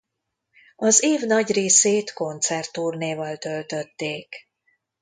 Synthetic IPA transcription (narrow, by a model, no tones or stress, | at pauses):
ɒzeːvnɒɟreːseːt̪ko̞nt̪sɛrt̪uːrneːvɒlt̪ø̞lt̪ø̞t̪ːeːk